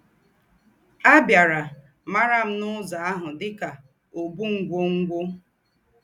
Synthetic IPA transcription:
a˦bja˨ɾa˨ | ma˦ɾa˦m̩˦nʊ˦za˨a˦ɦʊ˨dɪ˦ka˨ | o˨bu˦ŋ̩˨ɡʷo˦ŋ̩˦ɡʷo˦

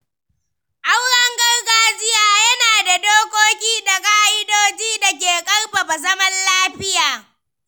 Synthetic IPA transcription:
ʔa˦wɽɐ˦ŋɡɐ˦rɡaː˦d͡ʒɪ˦jaː˦jɐ˦naː˨da˨doː˦kʷoː˦kʲiː˦da˨kʼaː˦ʔɪ˦doː˦d͡ʒiː˦da˨k̬ʲeː˨kʼɐ˦rɸa˨ba˨zɐ˦mɐ˦nlaː˦ɸɪ˦jaː˨

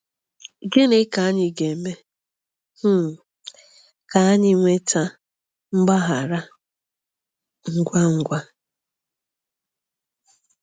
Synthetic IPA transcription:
ɡe˦ne˦ka˨˦ɲɪ˨ɡe˨me˦ | m̩˦˨ | ka˨a˦ɲɪ˦ŋʷe˦ta˦ | m̩˦ɡ͡ba˦ɦa˨ɾa˦ | ŋ̩˦ɡʷa˦ŋ̩˦ɡʷa˦

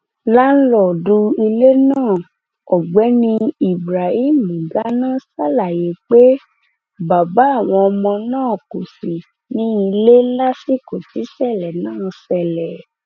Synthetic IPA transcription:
la˦n̩˦lɔ˦˨du˧i˧le˦nãː˦˨ | ɔ˨ɡ͡bɛ˨˦nĩ˧i˨bɾa˨i˦m˦˨mũ˨ɡa˨˦nã˦˨sa˦la˨je˨˦k͡pe˦ | ba˨ba˨˦a˦˨w̃ɔ̃˧ɔ˧mɔ̃˧nãː˦˨ku˨si˨ | nĩ˦i˧le˦la˦si˦˨ko˨ti˨˦sɛ˦˨lɛ˨nãː˦˨sɛ˨lɛ˨

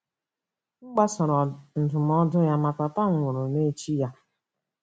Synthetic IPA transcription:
ŋ͡m̩˦ɡ͡ba˦sɔ˨ɾɔ˨n̩˨dʊ˨m˦ɔ˦dʊ˦ja˦ma˨ka˨pa˦˨ʊ˨ɾʊ˨ne˦t͡ʃi˦ja˦

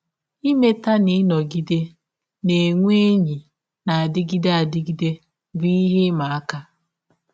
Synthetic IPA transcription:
i˦me˦ta˦nɪ˦nɔ˨ɡi˦de˦ | ne˨ŋʷ˦e˦ɲi˨ | na˨a˨dɪ˦ɡɪ˦de˦a˨dɪ˦ɡi˦de˦ | bi˦i˦ɦɪ˦ma˨a˦ka˦

